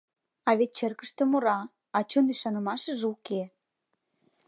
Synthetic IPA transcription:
ɑβet̪̚t͡ɕĕrkə̆ʃt̪ə̆moɾɑ | ɑt͡ɕonyʃɑnə̆mɑʃə̆ʒuke

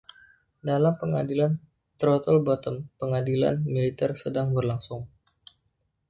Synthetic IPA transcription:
dalampəŋadilan | t̪ɾot̪əlbɔt̪əmpəŋadila̰nmilit̪ɛrsədaŋbərlaŋsʊŋ

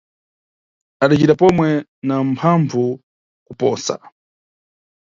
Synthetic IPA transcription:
aɗat͡ʃitapɔmwɛnampʰaɱvu | kupɔːsa̰

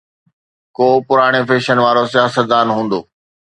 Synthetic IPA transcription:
koːpʊɾaːɽ̃efeːʃənʋaːɾosijaːsət̪̚d̪aːnɦũːn̆d̪oː

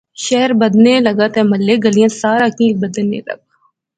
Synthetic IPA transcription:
ʃɛɦəɾbɐd̪nelɐɡat̪ɛmɐlːeɡəlijãːsaːɾaːkĩːbəd̪nḛlɐ̰ɡ̚

